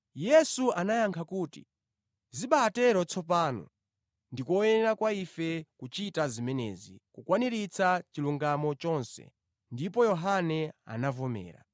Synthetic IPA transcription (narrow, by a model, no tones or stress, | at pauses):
jɛsuanajaŋkʰakuːtḭ | ziɓaːtɛɾɔt͡sʰɔpaːnɔ̰ | ndikwɔjɛnɛɾakwaifɛkut͡ʃitazimɛnɛ̰ːzḭkukwaniɾit͡sʰat͡ʃiluŋɡamɔt͡ʃɔnsɛ̰ | ndip̬ɔjɔɦanɛa̰navɔmɛ̰ːɾa̰